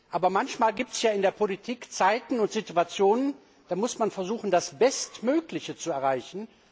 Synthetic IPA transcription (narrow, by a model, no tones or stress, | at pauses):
ʔaːbɐmançmaːlɡiːp̚tɛ̥sjaːɪndeːɐpʰolitʰiːkt͡saɪtn̩ʊntz̥ɪtuat͡sjoːnən | d̥aːmʊsmanfɛɐzuːχn̩dasb̥ɛstmøːklɪçət͡suɛɐʁaɪçn̩